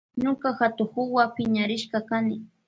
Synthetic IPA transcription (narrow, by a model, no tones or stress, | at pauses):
ɲokaxat̪ʊxʊwapɪɲaɾɪʃkɑkanɪ